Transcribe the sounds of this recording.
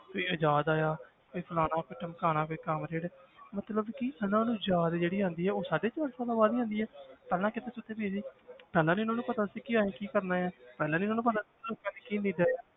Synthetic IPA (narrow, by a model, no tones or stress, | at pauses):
koːiːəd͡ʒaːd̪aːjaː | koiːpʰəlaːnãːkoiʈəmkaːnãːkoikəmɾeːɽmət̪ləbkɪənãːnũːd͡ʒaːd̪d͡ʒeːɽiːɦãːnd̪iːɛːoːsaːɖeːt͡ʃʋəɾsãːd̪aːbaːd̪iːɦãːnd̪iːɛːpɛːlãːkɪt̪eːsʊt̪ːeːbeːd͡ʒiːpɛːlãːnẽːʊnãːnũːpət̪aːsiːkiaːẽːkiːkəɾnãːɛːpɛːlãːniɪʊnãːnũːp̬ət̪aː | loːkãːneːkiːniːɖaːjaː